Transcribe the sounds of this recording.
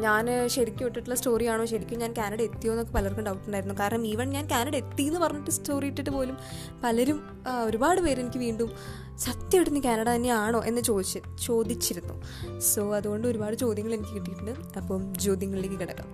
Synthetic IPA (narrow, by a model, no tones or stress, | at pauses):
ɲaːnɕɐɾikʲːumiʈːiʈːuɭːɐsto̞ːrijaːɳo̞ːɕɐɾikʲːumɲaːnkʲaːnɐɽɐe̞t̪ːijo̞ːnːokːepɐlɐrkːɐɳɖɐwukʈːɐruɳɖaːjiɾunːukaːɾɐɳɐmiʋɐɳɲaːnkʲaːnɐɽɐe̞t̪ːiːenːɨpɐrɐɲːiʈːɨstʰo̞ːrijiʈːiʈːɨpo̞ːlum | pɐlɐɾum | o̞ɾubaːɽɨpeːɾe̞nikʲːɨʋiːɳɖum | sɐt̪jɐʋiʈunːukʲaːnɐɽɐt̪ɐnːe̞aːɳo̞ːʔe̞nːɨt͡ɕo̞ːd̪it͡ɕːɨ | t͡ɕo̞ːd̪it͡ɕːiɾunːṵ | so̞ːɐðuɣo̞ɳɖɨo̞ɾubaːɽɨt͡ɕo̞ːd̪jɐŋːɐɭe̞nikʲːɨkiʈːijiʈːɐɳɖɨ | ɐpːoːmt͡ɕo̞ːd̪jɐŋːɐɭileːkːɨkiɽɐkːɐ̰m